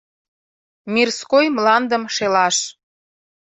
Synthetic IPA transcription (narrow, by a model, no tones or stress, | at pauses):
mirskojmlɑnd̪əmʃelɑʃ